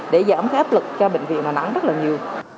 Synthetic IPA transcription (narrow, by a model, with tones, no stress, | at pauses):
ɗe˧˩zaː˧˩mxɛ˦˥p̚lɨ˨˩k̚t͡ɕɔ˧ɓḛ˧˨ŋ̟vḭ˧˨ənaː˨˩nʔa̰˧˥ŋzə˦˥t̚laː˨˩ɲi˨˩əw